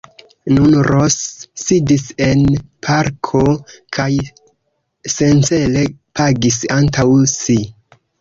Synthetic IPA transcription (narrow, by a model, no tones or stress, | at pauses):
nunɾosːidise̞npʰaɾkʰokʰaj | se̞nt͡se̞le̞pʰaɡisantʰawsi